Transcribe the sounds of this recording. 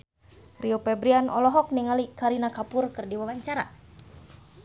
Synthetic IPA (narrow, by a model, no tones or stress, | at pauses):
riopɛbɾianɔ̰lɔɦɔk̚niŋalikaɾinakapʊrkɨrdiwawaɲt͡ʃaɾa̰